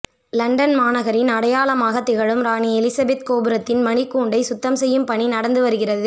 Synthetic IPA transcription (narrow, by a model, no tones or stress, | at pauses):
lɐɳɖɐnmaːnɐɣɐɾɪnɐɽɐjaːlɐmaːɣɐt̪ːɪɣɐɭɯmɾaːniɛlɪsɐbɛt̪koːbɯɾɐt̪ːɪnmɐɳɪkːuːɳɖɐɪsʊt̪ːɐmsɛjːɯmpɐɳinɐɽɐnd̪ɯʋɐɾɯɣɪrɐðɯ